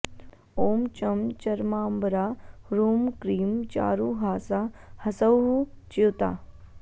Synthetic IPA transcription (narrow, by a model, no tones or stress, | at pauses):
oːmt͡ʃɐmt͡ʃɐɾmaːmbɾaːɾuːmkɾiːmt͡ʃa̰ːɾuɦaːsahɐsɐwɦu | t͡ʃiwt̪a̰ː